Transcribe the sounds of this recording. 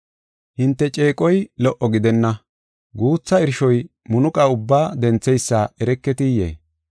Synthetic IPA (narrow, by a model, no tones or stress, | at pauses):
hɪnt̪ːɛt͡ʃʼe̞ːkʼɔjlɔʔɔɡɪd̪ɛnːɐ | ɡuːt͡sːɐɪɾʃɔj | mʊnʊkʼɐʊbːaːd̪ɛnt͡sːɛjsːaɛɾɛkːɛt̪ɪjḛː